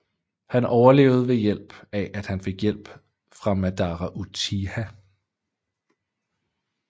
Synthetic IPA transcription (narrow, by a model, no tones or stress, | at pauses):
hænɒʊɐle̝̰ːʊð̞̩ˠəʋe̝jel̰b̥æʔæd̥hænfe̝ɡ̥jel̰b̥ | fʁɑ̈mæd̥ɑʁɑʔut͡sʰihæ